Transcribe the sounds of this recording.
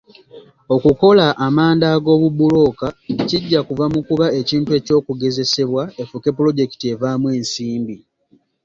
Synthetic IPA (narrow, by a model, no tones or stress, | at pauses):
o̞kuko̞laʔːmaːndaɡo̞ːβubulo̞kaciɟːakuvamukuβae̞ciːntue̞ːco̞ːkuɡe̞ze̞se̞βwae̞fuke̞pːulo̞ɟe̞ki̥tie̞vaːmwe̞ːnsiːmbi